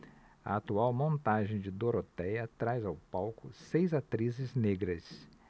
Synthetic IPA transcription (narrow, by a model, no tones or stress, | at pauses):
ɐ̰at̪uawmõnt̪aʒẽj̃d͡ʒɪd̪oɾot̪ɛjɐt̪ɾajzawpawkʊsejzat̪ɾizɪzneɡɾɐs